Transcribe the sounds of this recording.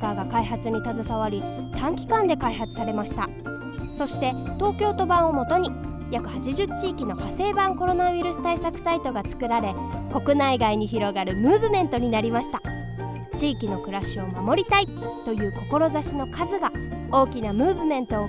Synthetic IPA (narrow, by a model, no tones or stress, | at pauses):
kaːɡakaiɦat͡sɨɲ̟it̪azɨsaβ̞aɾʲit̪ʰãŋkʲi̥kãnd̪e̞kaiɦat͡sɨ̥saɾe̞maɕi̥t̪a | so̞ɕi̥t̪e̞t̪o̞ːkʲo̞ːt̪o̞bãɰ̃o̞mo̞t̪o̞ɲ̟i | jakɯ̟hat͡ɕiʑɨt͡ɕiːkʲino̞hase̞ːbãŋko̞ɾo̞nawiɾɯ̟sɨ̥t̪aisakɯ̟̥sait̪o̞ɡat͡sɨ̥kɯ̟ɾaɾe̞ | ko̞kɯ̟naiɡaiɲ̟içiɾo̞ɡaɾɯ̟mɯ̟ːbɯ̟mẽ̞nt̪o̞ɲ̟inaɾʲimaɕi̥t̪a | t͡ɕiːkʲino̞kɯ̟ɾaɕio̞mamo̞ɾʲit̪ait̪o̞jɯ̟ːko̞ko̞ɾo̞zaɕino̞kʰazɨɡao̞ːkʲinamɯ̟ːbɯ̟mẽ̞nt̪o̞ː